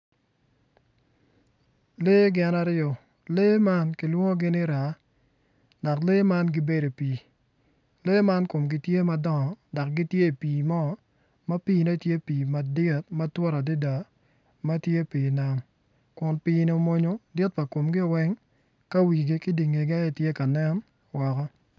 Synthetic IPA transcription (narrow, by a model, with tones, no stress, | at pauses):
le˦ɡɛ˨na˦ɾɪɔ˨ | le˦ma˦nkɪ˨lwo˦ŋo˦ɡɪ˦nɪ˦ɾa˨˦ | da˨kle˦ma˦nɡɪ˦be˦do˨piː˨ | leː˦ma˦nko˨mɡɪ˨tje˦mɐ˦dɔ˦ŋɔ˨da˨kɡɪ˦tje˦˨piː˨mɔ˦ | mɐ˦piː˦ne˦tje˦piː˨ma˨dɪ˦˨t̚mɐ˦twɔ˦ɾa˨dɪ˦da˨ | ma˦tje˦piː˨na˨m | kʊ˨npi˦ni˦o˦mo˦ɲo˦dɪ˦t̚pa˨ko˨mɡɪ˦˨wɛ˦ŋ | ka˦wi˨ɡɪ˦kɪ˦di˨ŋe˨ɡa˦ɛ˦tje˦ka˨nɛ˦n | wɔ˨kɔ˦